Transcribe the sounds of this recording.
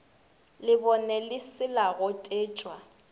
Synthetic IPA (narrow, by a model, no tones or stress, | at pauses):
lɪbɔnɛlɪsɪlaɣʊtʼeːt͡ʃʼwa